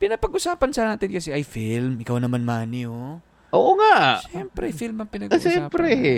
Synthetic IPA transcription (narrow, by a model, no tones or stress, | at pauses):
pɪnɐpɐɡʔʊsaːpɐnsɐnaːt̪ɪnkɐsɛʔɐjfɪlmʔɪkawnɐmanmaːnɪo | ʔoːʔoŋaʔʃɛmpɾɛfilmɐŋpɪnɐɡʃɛmpɾɛ